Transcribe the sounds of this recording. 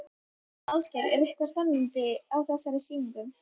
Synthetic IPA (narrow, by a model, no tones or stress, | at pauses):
awscɛɾɛɾɪhkaspɛnːɪnt̪ɪawθɛsːaɾɪsiːmɪŋk̪ʏm